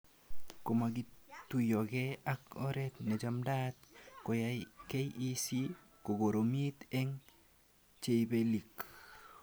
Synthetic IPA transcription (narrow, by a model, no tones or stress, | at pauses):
komak̬itujɔkɛakɔɾɛtnet͡ʃamdat̪̚kojajkejisi | koɡoɾomit̪ɛŋ | t͡ʃeibelik